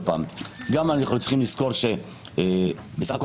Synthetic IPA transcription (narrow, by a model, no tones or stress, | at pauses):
pa̰ːmɡamanaχlut͡si̥χimliskoʁʃe | besaχako